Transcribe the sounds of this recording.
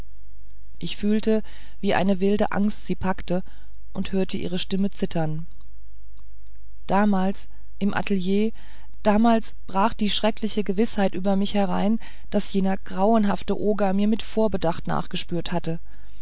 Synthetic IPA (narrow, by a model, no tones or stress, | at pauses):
ʔɪçfyːltə | viːʔa̰ɪnəvɪldəʔa̰ŋstz̥iːpʰaktə | ʔʊnthøːɐtʰəʔḭːʁ̞əʃtɪmət͡sɪtʰɐn | d̥aːmaːls | ʔɪmʔa̰təljeː | d̥aːmaːls | b̥ʁaːχd̥iːʃʁ̥ɛklɪçəɡəvɪshaɪtʔyːbɐmɪçhɛʁ̞a̰ɪn | d̥asjeːnɐɡ̥ʁaʊənɦaftəʔoːɡɐmiːɐmɪtfoːɐbədaχtna̰ːχɡ̥əʃpyːɐthatə